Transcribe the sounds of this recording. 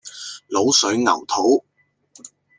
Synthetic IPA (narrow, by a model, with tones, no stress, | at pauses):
lo˨˥wsɵ˨˥ɥŋɐ˨˩wt̪ʰo˨˥w